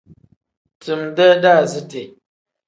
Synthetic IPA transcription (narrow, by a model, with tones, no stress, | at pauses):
tɨ˨mdə˦da˦˨zɨ˦te˨